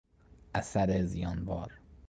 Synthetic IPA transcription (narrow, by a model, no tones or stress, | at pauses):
ʔæsæɾezijɒːnvɒːɾ